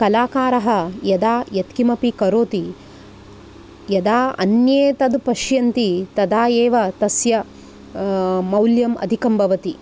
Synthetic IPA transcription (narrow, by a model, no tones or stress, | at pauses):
kɐlaːkaːɾɐɦɐjɐd̪aːjɐt̪kimɐpikɐɾoːt̪i | jɐd̪aːɐ̰njeːt̪ɐd̪pɐʃjɐnt̪it̪ɐd̪aːjeːʋɐt̪ɐsjɐ | mɐwljɐmɐ̰d̪ʱikɐmbʱɐʋɐt̪i